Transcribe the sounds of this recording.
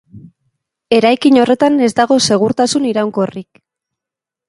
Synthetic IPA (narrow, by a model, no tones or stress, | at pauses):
e̞ɾajkiɲo̞re̞t̪ane̞zd̪aɣ̞o̞se̞ɣ̞uɾt̪asuniɾawŋko̞rik